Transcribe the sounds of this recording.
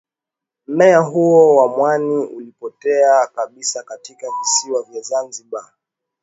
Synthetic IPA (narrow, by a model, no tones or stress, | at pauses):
m̩mɛaɦuɔwamwaniulipɔtɛakaɓisakatikavisiwavjazanziɓa